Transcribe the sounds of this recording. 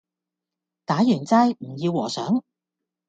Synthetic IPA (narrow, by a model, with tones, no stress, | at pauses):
t̪aː˨˥jyː˨˩nt͡saː˥jm̩˨˩jiː˧wːɔː˨˩sœː˨˥ŋ